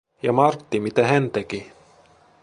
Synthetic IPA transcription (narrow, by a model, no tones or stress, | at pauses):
jɑmɑrt̪ːimit̪æhænt̪eki